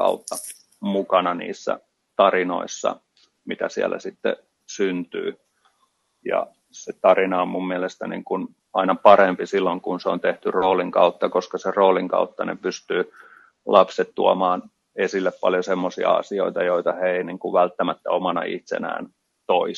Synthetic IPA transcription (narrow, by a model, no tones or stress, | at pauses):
kɑ̰ut̪ːɑ | mukɑnɑnḭːsːæ̰ | t̪ɑrino̰isːɑ̰ | mit̪æsiæ̰lːæ̰sit̪ːḛ | synt̪y̰ː | jɑ̰ | set̪ɑrinɑommumːiælest̪ænḭːŋkun | ɑinɑpɑrempisilːoŋkunseont̪eht̪yroːliŋkɑut̪ːɑkoskɑseroːliŋkɑ̰ut̪ːɑnḛpyst̪yː | lʔɑpset̪t̪uomɑːn | esilːeppɑljosemːosiɑ̰ɑ̰sio̰it̪ɑjoit̪ɑheiniŋkuʋʋælt̪ːæmæt̪ːæomɑnɑ̰ḭht̪sḛnæ̰ːn | t̪oi